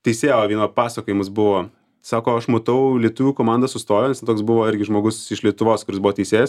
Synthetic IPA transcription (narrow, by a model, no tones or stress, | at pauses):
t̪ʲɛɪsʲeːjoːʋʲiɛnoːpɑːsɐkoːjɪmɐsbʊʋoː | sɑːkoːɐʃmoːt̪ɐʊlʲiɛt̪ʊʋʲuːkoːmɑːˑnd̪ɐsʊst̪oːjoːnʲɛst̪ʲɛnt̪oɔːksbʊʋoːɪɾʲɡʲɪʒmoːɡʊsɪʃlʲiɛt̪ʊʋoːskʊɾʲɪsbʊʋoːt̪ʲɛɪsʲeːjɛs